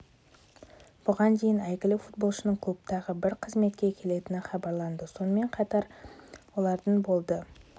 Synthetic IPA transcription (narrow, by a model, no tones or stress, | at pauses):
b̥ʊʁɑnd̪e̞jɪnæjɡʲɪlɪfut̪bo̞lˠʃənəɴkʰlˠupt̪ɑʁəbɪɾqʰəzme̞t̪̚kʲekʲʰe̞le̞t̪ɪnɪχɑbɑɾlˠɑnd̪əso̞nəme̞ɴqʰɑt̪ɑɾwo̞lˠɑɾd̪əɴbo̞lˠd̪ə